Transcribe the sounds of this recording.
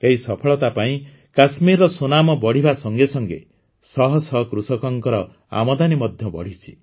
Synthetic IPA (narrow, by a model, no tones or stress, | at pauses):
eɦisɔpʰɔɭɔt̪apaĩ | kasmiɾːɔsonamɔbɔɽ̤ibasɔŋɡesɔŋɡḛ | sɔɦɔsɔɦkɾusɔkɔŋkɔɾɔ | a̰mɔd̪animɔd̪ʱjɔbɔ̰ɽ̤it͡ʃʰi̥